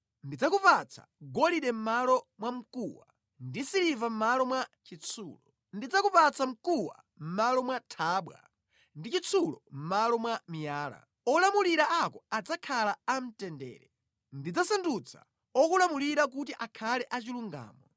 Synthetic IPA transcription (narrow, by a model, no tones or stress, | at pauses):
ndid͡zakupat͡sʰḁ̰ɡɔliɗɛm̩malɔmwam̩kuwa̰ | ndisiɾivam̩malɔmwat͡ʃit͡sʰuːlɔ | ndid͡zakupat͡sam̩kuwa̰ | m̩malɔmwatʰaːɓwa̰ | ndit͡ʃit͡sʰulɔm̩malɔmwamijaːla̰ | ɔlamuliɾaakɔad͡zakʰalaam̩tɛndɛ̰ːɾɛ | ndid͡zasandut͡sʰḁ̰ | ɔk̬ulamuliɾak̬ut̬iʔakʰalɛʔat͡ʃiluŋɡa̰ːmɔ